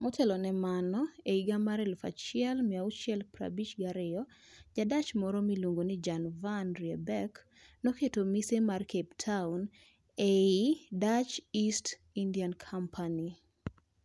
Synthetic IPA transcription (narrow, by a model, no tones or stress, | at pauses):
mɔtʰɛlɔnɛmanɔeiɡamaɾɛlfa̰t͡ʃɪɛlmɪaut͡ʃjɛlpɾa̰bit͡ʃɡaɾɪɔ | d͡ʒadat͡ʃmɔɾɔmiloŋɡonɪd͡ʒanvanɾiɛbɛk | nɔketomisemarkeptʰaun | eidat͡ʃist | indiankʰampʰani